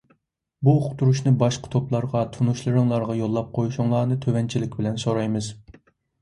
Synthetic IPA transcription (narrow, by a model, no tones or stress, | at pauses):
buqt̪ʰuɾuʃnɨbɑʃqə̥t̪ʰoplˠɑɾʁɑt̪ʰunuʃlˠɨɾɨŋlˠɑɾʁɑjolˠːɑp̚qʰojuʃuŋlˠɑːnɨt̪ʰøwɛnt͡ʃʰilɪkʲbɪlɛnsoɾɑjmɨz